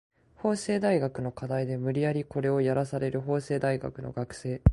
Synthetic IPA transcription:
ho̞ːse̞ːd̪aiɡakɯ̟no̞kad̪aid̪e̞mɯ̟ɾʲijaɾʲiko̞ɾe̞o̞jaɾasaɾe̞ɾɯ̟ɦo̞ːse̞ːd̪aiɡa̰kɯ̟no̞̰ɡakɯ̟̥se̞ː

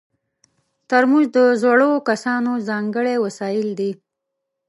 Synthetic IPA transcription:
t̪əɾmuʒd̪əzwaɽokasɑnozɑŋɡəɽewasɑjɪld̪i

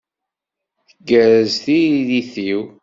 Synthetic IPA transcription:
θəɡːəɾəzθiðiθiw

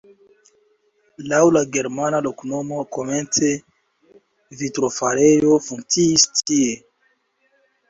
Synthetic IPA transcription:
lawlaɡe̞ɾmanalo̞kno̞moko̞ment͡se̞ | vitɾofaɾe̞jo̞fuŋkt͡siːstʰie

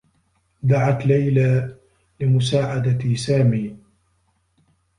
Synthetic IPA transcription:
d̪aʕat̪lajlaː | lɪmʊsaːʕad̪at̪isaːmiː

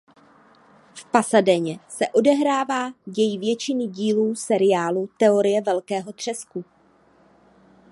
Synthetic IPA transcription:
fpasadɛɲɛsɛʔo̞dɛɦɾaːvaːjɛjɪvjɛt͡ʃɪnɪɟiːluːsɛɾɪjaːlut̪ɛo̞ɾɪjɛvɛlkɛːɦo̞t̪r̝̥ɛsku

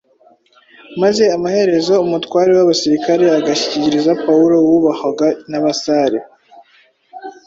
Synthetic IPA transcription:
maze̞amahe̞ɾe̞zo̞umutkwaːɾewaβasiɾikaɾe̞aɡaçi̥ciciɾizapauɾo̞wuβakaɡanaβasaɾḛ

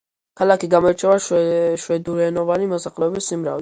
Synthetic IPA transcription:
kʰalakiɡamɔɛt͡ʃʰɛvaʃwɛd̪uɾɛnɔvanimɔsaχlɛɔbisimɾa̰v

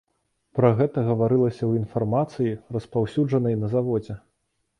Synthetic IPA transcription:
pɾɐɣɛt̪ɐɣɐvaɾɨlˠɐsʲɐwinfarmat̪sɨjirɐspawsʲud͡ʐɐnɐjnɐzavɔd͡zʲɛ

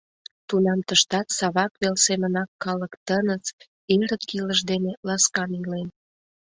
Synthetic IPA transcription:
t̪unɑmt̪əʃt̪ɑt̪sɑβɑkβelsemənɑkːɑləkt̪ənət͡s | eɾət̪kiləʒd̪enelɑskɑnilen

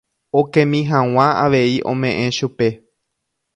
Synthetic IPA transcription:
okẽmĩɦãw̃ãaʋe̞iʔõ̞̰mẽ̞ʔẽ̞ʃupe̞

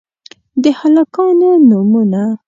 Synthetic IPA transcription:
d̪əhalɑkɑnonumuna

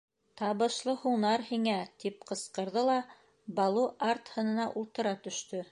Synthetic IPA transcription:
t̪ɑβɤ̆ʃlˠɤhunɑɾhiŋæt̪ipqɤ̆sqɤ̆ɾðɤlˠɑ | bɑlˠuʔaɾt̪hɤ̆nɤ̆nɑʔulˠt̪ɤ̆ɾɑt̪ɵ̆ʃt̪ɵ

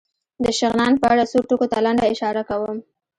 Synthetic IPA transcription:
d̪əʃɪɣnɑnpəaɽasoʈokot̪alaɳɖaɪʃɑɾakawəm

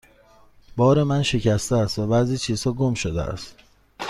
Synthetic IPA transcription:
bɒːɾe̞mænʃe̞cʰæst̪eːst̪væbæziːt͡ʃʰiːz̥hɒːɡomʃod̪ḛʔæ̰st̪

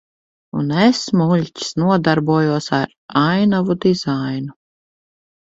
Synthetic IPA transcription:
ṵnesmulʲcʲi̥snuɔd̪aɾbuɔjuɔsaɾ | ajnavud̪iz̥ajnu

